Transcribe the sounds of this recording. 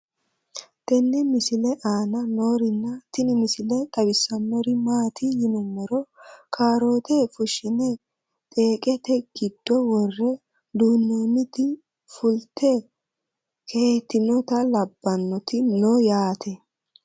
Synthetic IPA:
t̪ɛnːɛmɪsɪlɛʔaːnɐno̞ːɾɪnːɐt̪ɪnɪmɪsɪlɛt̪ʼɐbɪsːɐnːɔɾɪmaːt̪ʰɪjɪnɛmːɛɾɔkʰaːɾo̞ːt̪ɛfʊʃɪnɛ | t̪ʼe̞ːkʼɛt̪ɛɡ̥ɪd̪̥ːɔwɔrːɛ | d̪uːnːoːnːɪt̪ɪ | fʊlt̪ʰɛ | kʰet̪ːɪnɔt̪ɐlɐbːɐnːɔt̪ɪnɔjaːt̪ʰɛ

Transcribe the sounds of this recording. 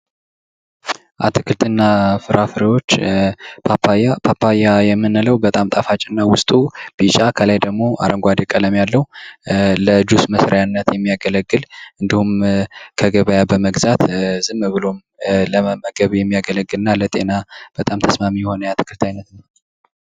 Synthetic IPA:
ʔa̰t̪ʰɨkʰɨlt̪ʰɨnːafɨɾafɾewo̞t͡ʃːpʰapapʰapʰːajajɛmːɨnːɨləwbət̪ʼamt̪ʼafat͡ʃʼɪnːawʊst̪ʼub̥it͡ʃʼakʰəlajd̪əɡmo̞ʔa̰ɾʔəŋɡʷad̪ekʼələmjalːəhu | ləd͡ʒusməsɾjanːət̪jɛmːijaɡələɡːɨlʔɨnd̪ihumkʰəɡəβəjabəməɡzat̪zɨmːβɨlo̞m | ləəməɡəβjɛmːijaɡələɡːɨlɨnːalət̪ʼe̞nab̥ət̪ʼamt̪ʰəsmamijɛho̞nəjat̪ʰɨ̥kʰɨlt̪ʰajnət̪nəw

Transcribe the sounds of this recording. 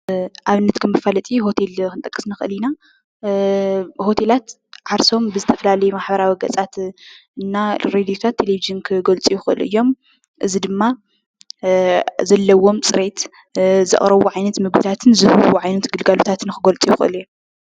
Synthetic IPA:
ʔaβɨnːɐt̪kʰɐmːɨfalɐt̪ʼiɦo̞t̪ʰe̞lkʰɨnt̪ʼɐkʼːɨ̥snɨxʔɨ̰lina | ho̞t̪ʰe̞lat̪ | ʕaɾso̞mbɨzɨt̪ʰɐ̥fɐlalɐjumaħbɐɾawiɡɐt͡sʼat̪ɨnːaɾed̪ijot̪ʰat̪ʰːe̞leviʒɨnkʰɨɡolt͡sʼijuɪxɨʔɨ̰lɨ̰jːo̞m | ʔɨzid̪ɨmːa | zɐlːɐwo̞mt͡sʼɨɾe̞t̪ | zɨ̰χʼɾɐβuʕajnɐt̪mɨɡbɨt̪ʰat̪ʰɨnzɨhɨwuʕajnɐt̪ɡɨlɡalut̪ʰat̪ʰɨnkɨɡolt͡sʼijɪxɨʔɨ̰lj

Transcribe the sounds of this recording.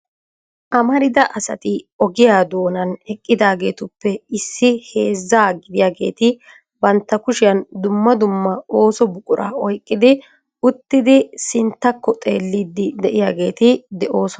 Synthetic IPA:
ʔɐmɐɾɪd̪ɐʔɐsɐ̰t̪ɪɔɡɪjaːd̪o̞ːnɐnɛkʼːɪd̪aːɡe̞ːt̪ʊpːɛɪsːɪhe̞ːzːaːɡɪd̪ɪjaːɡe̞̰ːt̪ɪ | bɐnt̪ːɐkʊʃɪjɐnd̪ʊmːɐd̪ʊmːɐo̞ːsɔbʊkʼʊɾʔa̰ːɔjkʼːɪd̪ɪ | ʊt̪ːɪd̪ɪsɪnt̪ːɐkːɔt̪ʼe̞̰ːlːiːd̪ːɪd̪ɛʔɪjaːɡe̞ːt̪ɪd̪ɛʔo̞ːsɔn

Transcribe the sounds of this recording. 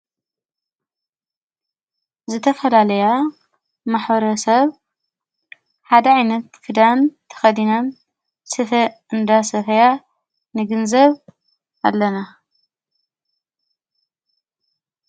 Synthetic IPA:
zɨt̪ʰɐfɐlalɐja | maħbɐɾɐsɐβ | ħad̪ɐʕajnɐt̪fɨd̪ant̪ʰɐ̥xɐd̪inɐn | sɨfɐ | ɨnd̪asɐfɐja | nɨɡɨnzɐβ | alːɐna

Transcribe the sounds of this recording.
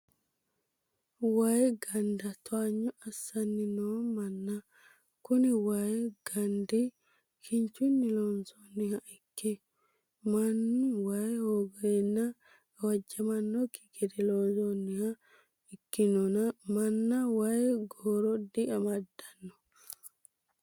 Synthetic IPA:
wɐjɡɐnd̪ɐt̪ʰɔaɲːɔɐsːɐnːɪnomɐnːɐ | kʊnɪwɐjɡ̥ɐnd̪ɪ | kʰɪnt͡ʃːʊnːɪlonsonːɪhɐɪkːɛ | mɐnːɪwɐjhoɡɔjɛnːɐ | ɐwɐd͡ʒːɐmɐnːɔkːɪ̥ɡɛd̪ɛloːnzonːɪhɐ | ɪkːɪnɔnɐmɐnːɐwɐjɡoːɾɔd̪ɪʔɐmɐd̪ːɐnːɔ̥

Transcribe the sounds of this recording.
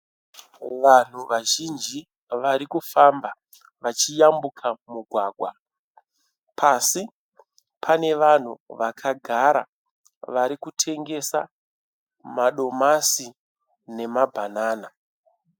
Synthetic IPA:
ʋan̤uʋaʒind͡ʒi | ʋaɾikufamba | ʋat͡ʃijambukʰamuɡʱwaːɡʱwa | pʰasi | pʰane̞ʋan̤uʋakʰaɡʱaɾa̰ | ʋaɾikutʰe̞ŋɡe̞sa̰ | maɗo̞masi | ne̞mabʱanaːna

